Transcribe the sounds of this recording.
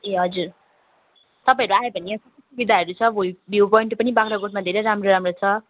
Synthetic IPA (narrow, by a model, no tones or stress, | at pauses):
eɦʌd͡zur | t̪ʌpaĩʌɾuaebʱʌniʌsʌsubid̪ʱaɦʌɾut͡sʰʌbʱoibjuwpʌiɳʈpʌnibakʰɾaɡoʈmad̪ʱeɾejɾamroɾamrot͡sʰʌ